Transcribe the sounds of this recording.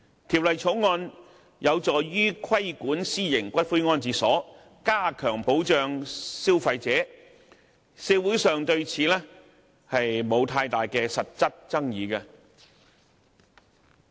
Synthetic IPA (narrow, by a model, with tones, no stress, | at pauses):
t̪ʰiː˨˩p̚lɐ˨jt͡sʰo˨˥wŋɔː˧n | jɐ˨˧wt͡sɔː˨ɥyː˥kʰɐ˥jkuː˨˥nsiː˥jɪ˨˩ŋkʷɐ˥t̚fu˥jŋɔː˧˥nt͡siː˨sɔː˨˥ | kaː˥kʰœː˨˩ŋpo˨˥wt͡ʃœː˨ŋsiː˥wfɐ˧jt͡sɛː˨˥ | sɛː˧wuː˨˥sœː˨ŋt̪ɵ˧ɥt͡sʰiː˨˧lɛː˥ | hɐ˨jmo˨˧wt̪ʰaː˧jt̪aː˨jkɛː˧sɐ˨t̚t͡sɐ˥t̚t͡sɐ˥ŋjiː˨˧kɐ˧